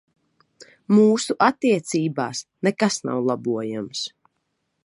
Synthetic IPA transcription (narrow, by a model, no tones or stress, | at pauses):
muːsuʔat̪ːiɛt̪siːbaːsnɛkasna̰wlˠabuɔjams